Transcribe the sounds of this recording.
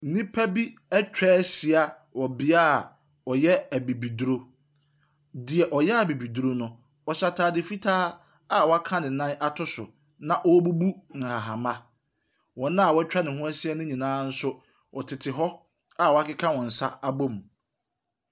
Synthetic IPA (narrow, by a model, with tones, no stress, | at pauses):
n̩˦nĩ˦pʰæ˦bi˦ɛ˦t͡ɕᶣɛː˦si˨a˨ | wɔ˨bɪ˦aː˦˨ | ɔ˨jɛ˦æ˨bi˨bi˨du˦ɾo˦ | dɪ˨ɛ˨ʔɔ˨jɛ˦a˨bi˨bi˨du˨ɾo˦nʊ̃˦ | ɔ˨ɕa˨tʰaː˨dɪ˨fi˦tʰaː˦ | a˦˨wɔ˨a˦kʰã˦nɪ̃˨nã˦nʔa˦tʰʊ˦sʊ˨ | nã˨ʔɔ˦wbu˦bu˦ŋ̩˨ha˨ɦã˨mã˦ | wɔ̃˨nã˦a˨wɔ˦ɛ˦t͡ɕᶣa˦nɪ̃˨hʊ̃˦æ˦si˦a˦nʊ̃˦ɲĩ˨nãː˦n̩˦sʊ˦ | ɔ˨tʰɪ˨tʰɪ˨ɦɔ˦ | a˨wɔ˨a˦kɪ˦kʰã˦wɔ̃˨n̩˨sa̰˦a˦˨bo˦m˨